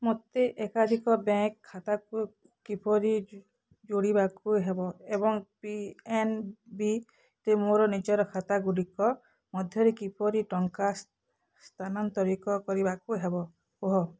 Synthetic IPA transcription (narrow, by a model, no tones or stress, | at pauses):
mot̪eʔekad̪ʱikɔbãkʰːat̪aku | kipɔɾi | d͡ʒoɽibakuɦebɔebɔŋpienbi | t̪emoɾɔnid͡ʒɔɾɔkʰat̪aɡuɽikɔ | mɔd̪ʱjɔɾekipɔɾiʈɔŋka | st̪ʰanɔnt̪ɔɾikɔkɔɾibakuɦebɔ | uɦɔ